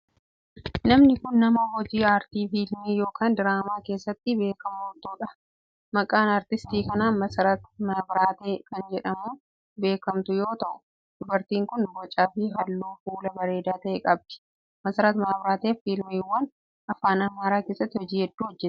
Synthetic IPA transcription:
nɐmnɪkʊnːɐmɐhɔd͡ʒiːaːɾt̪iːfiːlmiːjo̞ːkʰaːnd̪ɪɾaːmaːke̞ːsːɐt̪ːɪbe̞ːkɐmoːt̪oːᶑɐ | mɐkʼaːnaːɾt̪ɪst̪iːkɐnaːnmɐsɐɾɐt̪maːbɾaːt̪eːkɐnd͡ʒɛᶑɐmuː | be̞ːkɐmt̪ʊjo̞ːt̪ɐʔʊ | d̪̥ʊbɐɾt̪iːŋkʊnbɔt͡ʃʼːaːfɪɦɐlːoːfuːlɐbɐɾe̞ːd̪aːt̪ɐʔeːkʼɐb̚d̪̥ɪ̥ | mɐsɐɾɐt̪maːbɾaːt̪eːfiːlmiwːɐn | ɐfaːnɐmaːɾaːke̞ːsːɐt̪ːɪhɔd͡ʒiːhɛd̪ːuːhɔd͡ʒːɛt̪ː

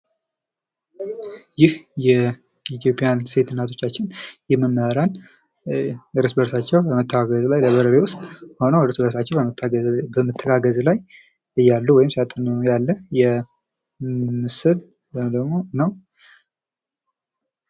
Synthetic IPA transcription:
jɪhjɛ | it̪ʰjo̞pʼjanse̞t̪ʰɨnːat̪ʰo̞t͡ʃːat͡ʃːɪnjɛməmːəaɾan | ɨɾɨsbəɾsat͡ʃːɛwbəmət̪ʰːəaɡəzlajləβəɾəɾewʊst̪ʼho̞nəwɾɨsbəɾsat͡ʃːɛwbəmt̪ʰːbəmɨt̪ʰːəɡaɡəzlaj | ɨjːalːuwɔjɪmsiat̪ʼɨnjalːəjɛ | mɨsɨl | d̪əɡmo̞nəw

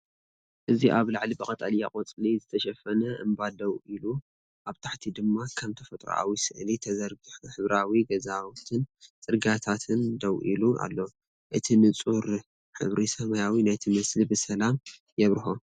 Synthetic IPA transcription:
ʔɨziʔaβlaʕlibɐkʼɐt̪ʼalijakʼot͡sʼlizɨt̪ʰɐʃɐfɐnɐʔɨ̰mbad̪ɐwʔilu | ʔaβt̪ʰaħt̪ʰid̪ɨmːakʰamt̪ʰɐfɐt̪ʼɾo̰a̰wisɨ̰ʔlit̪ʰɐzɐɾɡiħuħɨβɾawiɡɐzawt̪ʰɨnt͡sʼɨɾɡat̪ʰat̪ʰɨnd̪ɐwʔḭluʔa̰lːo | ʔɨt̪ʰinɨt͡sʼuɾ | ħɨ̰βɾisɐmɐjawinajt̪ʰimɐslibɨsɐlam | jɛβɾɨxo

